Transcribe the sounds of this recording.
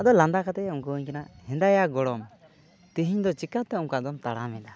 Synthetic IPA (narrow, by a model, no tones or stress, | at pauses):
ad̪ɔland̪akat̪ɛɔŋkəɲkɛnahɛ̃nd̪ajaɡɔɽɔm | t̪iɦiɲd̪ɔt͡ʃikat̪ːɛɔŋkad̪ɔmt̪aɽamɛd̪a